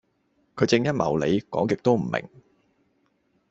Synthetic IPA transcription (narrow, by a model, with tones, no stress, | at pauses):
kʰɵ˨˧ɥt͡sɪ˧ŋjɐ˥t̚mɐ˨˩wle˨˧jkɔ̰ː˨˥ŋkɪ˨k̚t̪o˥wm̩˨˩mɪ̰˨˩ŋ